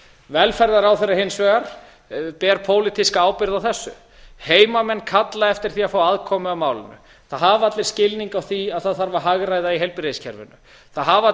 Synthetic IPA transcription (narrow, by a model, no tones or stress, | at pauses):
vɛlfɛɾðaɾawθɛrahensvɛɣaɾ̥ | pɛːɾpʰoːwlɪt̪iskaaːwpɪɾðawθɛsːʏ | heːjmamɛnːkʰat̪laɛft̪ɪɾ̥θiafaːwaðkʰɔmʏawmaːwlɪ̰nʏ̰ | θaðɦavat̪lɪɾscɪlniŋkawθiaðθaðθaɾvaɦaɣɾajðaiɦɛlpɪɾejscʰɛ̰ɾvɪ̰nːʏ̰ | θaðɦav